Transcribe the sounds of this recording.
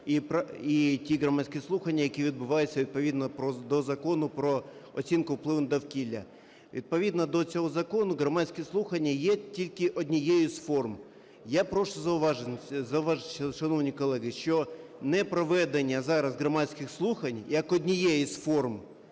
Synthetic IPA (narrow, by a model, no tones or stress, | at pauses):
ipitʲiɣɾɔmɑsʲkʲɛslˠuxɐnʲːɐjɐkʲiʋʲid̪̚bʊʋɑjʊt͡sʲːɐʋʲid̪̚pɔʋʲid̪nɔpɾɔd̪ɔzɐkɔnʊpɾɔɔt͡sʲinkʊwplˠɪʋnd̪ɐwkʲilʲːɐ̰ | ʋʲid̪̚pɔʋʲid̪nɐd̪ɔt͡sʲɔɦɔzɐkɔnʊɦɾɔmɑsʲkɛslˠuxɐnʲːɐjɛtʲilʲkɪʔɔdʲnʲɪjɛjʊsfɔrm | japɾɔʃt̪ɔzɐʊʋɑʒenzɐʊʋaʒʃɐnɔʋnʲikɔlˠɛɦɪʃt͡ʃɔnɛpɾɔʋɛd̪enʲːɐzɑɾɐzɣɾɔmɑsʲkɪxslˠuxɐnʲjɐkɔdʲnʲɪjɛjisfɔrm